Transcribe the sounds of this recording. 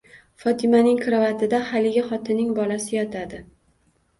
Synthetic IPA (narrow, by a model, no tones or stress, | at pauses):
fɒt̪ʰɪmanɪŋkʰɾavat̪ʰɪd̪ahalɪɡʲaχɒt̪ʰɪnːɪŋbɒlasɪjɒt̪ʰad̪ɪ